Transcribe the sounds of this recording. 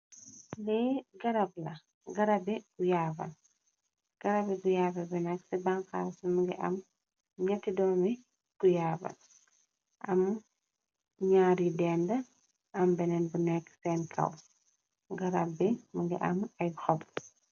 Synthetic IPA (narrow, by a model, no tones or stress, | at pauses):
lɛɡɐɾɐblɐ | ɡɐɾɐbɛɡujaːbɐ̰n | ɡ̥ɐɾɐbɛɡujaːbɐbɛnɛksɛbaŋka̰ːwsuməɡḭʔɐ̰m | ɲɐtːidɔːmi | ɡ̥ujaːbɐ̰l | ʔɐm | ɲaːɾjidɛːndə | ʔɐmbɛnɛnbunɛksɛnkʰɐ̰w | ɡɐɾɐbːiməɡḭʔɐmɐjxɔb